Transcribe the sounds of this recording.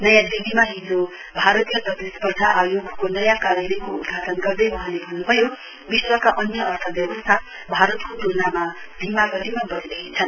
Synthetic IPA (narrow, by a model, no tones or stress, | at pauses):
nʌjãd̪ibimaɦid͡zo | bʱaɾʌt̪ijʌprʌt̪ispʌd̪ʱaʔajoɡʱkonʌjãkaɾjʌlʌjkoud̪ɡʱat̪ʌnɡʌrd̪ʌjmʌɦãlebʱʌnːubʱʌjo | biswʌkaʔʌnjʌʌrt̪ʰʌbjʌbʌst̪ʰa | bʱaɾʌt̪kot̪unama | bʱimaɡʌt̪imabʌɾid̪ʌkit͡sʰʌn